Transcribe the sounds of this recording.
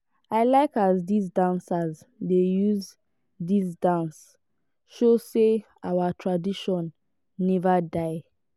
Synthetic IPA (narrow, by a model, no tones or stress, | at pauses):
aɪlaɪkazdis̬dãnsaz | dejuz | disdãns | ʃose | awatʰɹadiʃɔ̃nː | ɛvadaɪ